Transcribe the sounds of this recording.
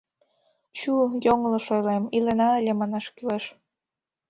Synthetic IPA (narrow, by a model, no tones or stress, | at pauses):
t͡ɕujoŋlɤ̆ʃojlemilenɑə̆lʲemɑnɑʃkyleʃ